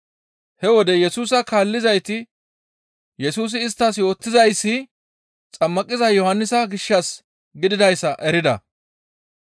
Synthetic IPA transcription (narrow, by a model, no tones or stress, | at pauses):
hɛwɔd̪ɛjɛsuːsɐkaːlːɪzɐjt̪ɪ | jɛsuːs̬ɪːs̬t̪ːaːsjo̞ːt̪ːɪzɐjsːɪ | t͡sʼɐmːɐkʼːɪzɐjɔhɐnːɪsɐɡɪʃːɐs | ɡɪd̪ɪd̪ɐjsɐʔɛɾɪd̪ɐ̰